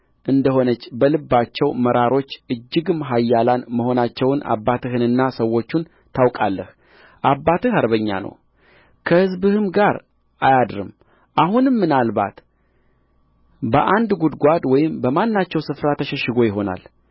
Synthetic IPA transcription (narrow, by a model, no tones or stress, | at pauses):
ʔɨnd̪əho̞nət͡ʃːbəlɨbːat͡ʃːɛwməɾaɾo̞t͡ʃːʔɨd͡ʒːɨɡɨmɦajːalanməho̞nat͡ʃːɛwna̰bːat̪ʰɨhɨnɨnːasəwːo̞t͡ʃːun | t̪ʰawkʼalːəh | ʔabːat̪ɨhaɾbəɲːa̰nə̰w | kʰəhɨzbɨhɨmɡaɾ | ʔajad̪ɾɨ̰m | ʔahunɨmːɨnalba̰t̪ | bə̰ʔand̪ɡud̪ɡʷad̪wɔjɪmbəmanːat͡ʃːɛwsɨfɾat̪ʰəʃɛʃɪɡo̞jɪɦo̞na̰l